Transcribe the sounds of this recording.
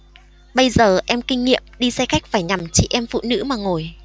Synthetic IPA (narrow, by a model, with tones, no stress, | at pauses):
ɓə˧jzəː˨˩ʔɛ˧mkï˧ŋ̟ŋḭ˧˨əmɗi˧sɛ˧xa˦˥jk̟̚faː˧˩jɲa˨˩mt͡ɕḭ˧˨ʔɛ˧mfṵ˧˨nɨ̰˧˥maː˨˩ŋo˨˩j